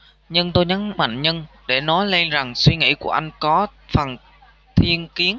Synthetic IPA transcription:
ɲɨ˧ŋt̪o˧jɲa˨˦ŋma̰˧˨ŋɲə˧n | ɗe˧˩nɔ˨˦jle˧nza˨˩ŋswi˧ŋḭ˧˩˨ku˧˩əʔa˧jŋ̟kɔ˨˦fa˨˩n | t̪ʰi˧ənki˨˦ən

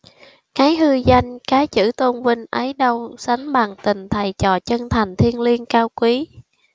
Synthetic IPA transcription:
kaː˨˦jɦɨ˧za˧jŋ̟kaː˨˦t͡ɕɨ̰˧˩t̪o˧nvi˧ŋ̟ʔə˨˦jɗə˧wsa˨˦ŋɓaː˨˩ŋt̪ï˨˩ŋ̟t̪ʰa˨˩jt͡ɕɔ˨˩t͡ɕə˧ŋt̪ʰa˨˩jŋ̟t̪ʰi˧ənli˧ənkaː˧wkwi˨˦

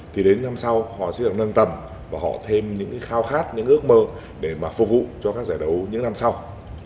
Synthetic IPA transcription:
t̪ʰi˨˩ɗe˨˦nːa˧msa˧whɔ̰˧˨sɛ̰˧˥ɗənə˧nt̪ə˨˩m | vaː˨˩ɦɔ̰˧˨t̪ʰe˧mɲɨ̰˧˥ŋkːxaː˧wxaː˦˥t̚ɲɨ̰˧˥ŋʔɨ˦˥ək̚məː˧ | ɗe˧˩maː˨˩fṵ˧˩k̚vṵ˧˨t͡ɕɔ˧kaː˦˥k̚zaː˧˩jɗə˨˦wɲɨ̰˧˥ŋna˧msa˧w

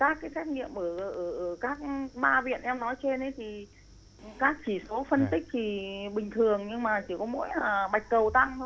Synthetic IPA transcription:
kaː˦˥kːaː˨˦jsɛ˦˥t̚ŋḭ˧˨əmʔəː˧˩ʔʔə˧˩ʔəː˧˩kaː˦˥k̚ɓaː˧vḭ˧˨ənʔɛ˧mnɔ˨˦jt͡ɕe˧nʔə˨˦jt̪ʰi˨˩ | kaː˦˥k̚t͡ɕi˧˩so˨˦fə˧nt̪ï˦˥k̚t̪ʰi˨˩ɓï˨˩ŋ̟t̪ʰɨ˨˩əŋɲɨ˧ŋmaː˨˩t͡ɕi˧˩kɔ˨˦mo̰˧˥jaː˨˩ɓa˨˩jk̟̚kə˨˩wt̪a˧ŋt̪ʰ

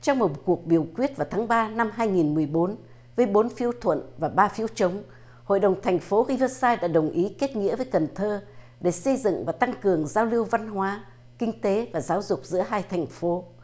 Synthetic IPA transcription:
t͡ɕɔ˧wŋ͡mmo˨˩t̚ku˨˩ək̚ɓi˨˩əwkwi˦˥ət̚vaː˨˩wt̪ʰːŋɓaː˧na˧mɦaː˧jŋi˨˩nmɨ˨˩əjɓo˨˦n | vəː˨˦jɓo˨˦nfi˨˦əwt̪ʰwə̰˧˨nvaː˨˩ɓaː˧fi˨˦əwt͡ɕə˨˦wŋ͡m | ho̰˧˨jɗə˨˩wŋ͡mt̪ʰɛ˨˩jŋ̟fo˨˦ɣi˧və˧saː˧jɗa̰ː˧˥ɗə˨˩wŋ͡mʔi˨˦ke˦˥t̚ŋḭ˧˥vəː˨˦jkə˨˩nt̪ʰəː˧ | ɗe˧˩sə˧jzɨ̰˧˨ŋvaː˨˩t̪a˧ŋkɨ˨˩əŋzaː˧wli˧əwva˧nɦwaː˨˦ | kï˧ŋ̟t̪e˨˦vaː˨˩zaː˨˦wzʊ˨˩k͡p̚zɨ̰˧˥əɦaː˧jt̪ʰɛ˨˩jŋ̟fo˨˦

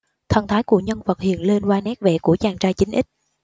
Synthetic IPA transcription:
t̪ʰə˨˩nt̪ʰaː˨˦jku˧˩əɲə˧nvə˨˩t̚hḭ˧˨ənle˧nzwaː˧nɛ˦˥k̚vɛ̰˧˨ku˧˩ət͡ɕaː˨˩ŋt͡ɕaː˧jt͡ɕï˨˦ŋ̟ʔï˦˥k̟̚

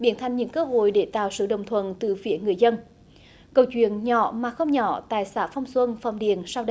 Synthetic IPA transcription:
ɓi˧˩ənt̪ʰa˧jŋ̟ɲɨ̰˧˥ŋkəː˧ɦo̰˧˨jɗe˧˩t̪a̰ː˧˨wsɨ̰˧˩ɗə˨˩wŋ͡mt̪ʰwə˧˨nt̪ɨ˨˩fi˨˦əŋɨ˨˩əjzə˧n | kə˧˩wt͡ɕwḭ˧˨ənɲɔ̰˧˩˨maː˨˩xə˧wŋ͡mɲɔ˧˩t̪aː˧˨jsaː˧˥fa˧wŋ͡mswə˧nfa̰˨˩wŋ͡mɗḭ˧˨ənsa˧wɗə˧

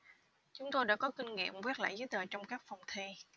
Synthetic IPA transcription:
t͡ɕʊ˨˦ŋ͡mt̪o˧jɗa̰ː˧˥kɔ˨˦kï˧ŋ̟ŋḭ˧˨əmvi˦˥ət̚la̰ː˧˨jzəː˨˦jt̪əː˨˩t͡ɕɔ˧wŋ͡mkaː˦˥k̚fɔ˨˩wŋ͡mt̪ʰe˧

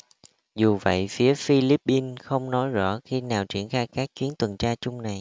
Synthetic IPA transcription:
zu˨˩və̰˧˨jfi˨˦əfi˧li˦˥p̚ːi˧nxə˧wŋ͡mnɔ˨˦jzɔ̰˧˥xi˧naː˨˩wt͡ɕwḭ˧˩ənxaː˧jkaː˦˥k̚t͡ɕwi˨˦ənt̪wə˨˩nt͡ɕaː˧t͡ɕʊ˧ŋ͡mna˨˩j

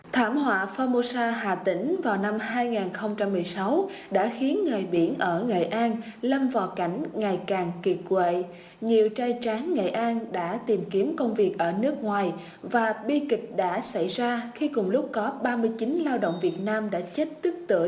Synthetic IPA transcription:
t̪ʰaː˧˩mhwa̰ː˧˨faː˧mo˧saː˧ɦa̰ː˨˩t̪ï˧˦ŋ̟vaː˨˩wna˧mɦaː˧jŋaː˨˩nxə˧wŋ͡mt͡ɕa˧mːɨ˨˩əjsa˨˦wɗa̰ː˧˥xi˨˦ənŋə˨˩jɓḭ˧˩ənʔəː˧˩ŋḛ˧˨jʔaː˧nlə˧mva˨˩ka˧˩jŋ̟ŋa˨˩jkaː˨˩ŋki˨˩t̚kwḛ˧˨ | ɲi˨˩əwt͡ɕaː˧jt͡ɕaː˨˦nŋḛ˧˨jʔaː˧nɗa̰ː˧˥t̪i˨˩mki˨˦əmkə˧wŋ͡mvi˨˩ək̚ʔəː˧˩nɨ˦˥ək̚ŋwaː˨˩j | vaː˨˩ɓi˧kï˨˩k̟̚ɗa̰ː˧˥sa˧˩jzaː˧xi˧kʊ˨˩ŋ͡mlʊ˦˥k͡p̚kɔ˨˦ɓaː˧mɨ˧əjt͡ɕi˨˦nlaː˧wɗə̰o̰˧˨wŋ͡mvi˨˩ət̚naː˧mɗa̰ː˧˥t͡ɕe˦˥t̚t̪ɨ˦˥k̚t̪ɨ̰˧˩ə

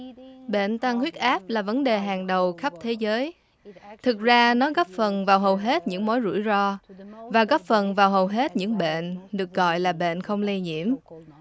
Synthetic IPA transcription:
ɓḛ˧˨nt̪a˧ŋhwi˦˥ət̚ʔaː˦˥p̚laː˨˩və˨˦nɗe˨˩ɦaː˨˩ŋɗə˨˩wxə˦˥p̚t̪ʰe˨˦zəː˨˦j | t̪ʰɨ˨˩k̚zaː˧nɔ˨˦ɣɔ˦˥p̚fə˨˩nvaː˨˩wɦə˨˩wɦe˦˥t̚ɲɨ̰˧˥ŋmo˨˦jzṵ˧˩əjzɔ˧vaː˨˩ɣɔ˦˥p̚fə˨˩nvaː˨˩wɦə˨˩wɦe˦˥t̚ɲɨ̰˧˥ŋɓḛ˧˨nɗɨ˨˩ək̚ɣɔ̰˧˨jlaː˨˩ɓḛ˧˨nxə˧wŋ͡mli˧ɲḭ˧˨əm

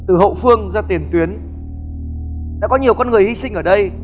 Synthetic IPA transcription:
t̪ɨ˨˩ɦo̰˧˨fɨ˧əŋzaː˧t̪i˨˩ənt̪wi˨˦ən | ɗa̰ː˧˥kɔ˨˦ɲi˨˩əwkɔ˧nŋɨ˨˩əjhi˧sï˧ŋ̟ʔəː˧˩ɗə˧j

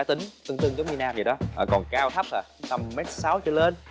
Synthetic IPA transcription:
aː˨˦˥t̪ï˨˦ŋ̟t̪ɨ˧ŋt̪ɨ˧əŋzə˨˦ŋ͡mɲi˧naː˧mi˨˩ɗɔ˨˦ʔəː˨˩kɔ˨˩nkaː˧wt̪ʰa˦˥p̚ʔaː˨˩˨t̪a˧˩mːɛ˦˥t̚saː˨˦wt͡ɕɨ˧le˧n

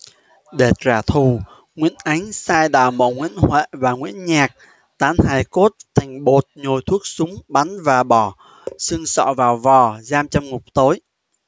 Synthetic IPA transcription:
ɗe˨˩t̚zaː˨˩t̪ʰu˨˩ | ŋwḭ˧˥ənʔa˨˦jŋ̟saː˧jɗa̰ː˧˨˩wmo̰˧˨ŋwḭ˧˥ənhwḛ˧˨vaː˨˩ŋwḭ˧˥ənɲaː˨˩k̚ | t̪aː˨˦nhaː˧˩jko˦˥t̚t̪ʰa˨˩jŋ̟ɓo˨˩t̚ɲo˨˩jt̪ʰu˦˥ək̚sʊ˨˦ŋ͡mɓa˨˦nvaː˨˩ɓɔ˧˩ | sɨ˧ŋsɔ̰˧˨vaː˨˩wvɔ˨˩zaː˧mt͡ɕɔ˧wŋ͡mŋʊ˨˩k͡p̚t̪o˨˦j

